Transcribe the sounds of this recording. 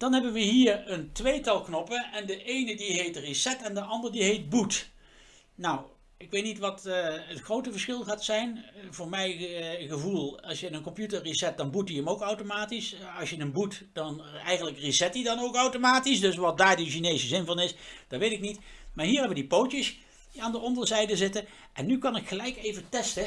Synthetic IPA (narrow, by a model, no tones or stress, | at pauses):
d̥ɑnɦɛbənʋəɦiːɹəntʋejtɑlˠknɔpəɛndəʔejnədiɦejtrisɛtɛndəʔɑndəɹdiɦejt̚but | naw | ɪkʋejtnitʋɑtətχrowtəvəɹsχɪlˠχaːtsɛjnvʊːɹmɛjχəvulˠɑsjənənkɔmpjutərisɛt̚dɑnbutiəmowkawtomaːtisɑsjədənbutd̥ɑnɛjχənləkrisɛtidɑnowkɑwtomaːtisdɵsʋɑt̚daːɹdəʃinejzəzɪnvɑnɪsd̥ɑtʋejtɪknitmaːɹɦiːɹɦɛʋədipowtəs | diaːndəʔɔndəɹzɛjdəzɪtə | ʔɛnːykɑnɪkχəlɛjkejvətɛstə